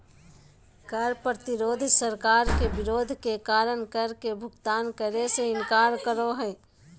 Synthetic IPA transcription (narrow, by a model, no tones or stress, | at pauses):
kəɾpɾət̪ɪɾoːd̪ʱsəɾkaːɾkebɪɾoːd̪ʱkekaːɾənkəɾkebʱʊɡt̪aːnkəɾeseɪnkaːɾkəɾoɦɛː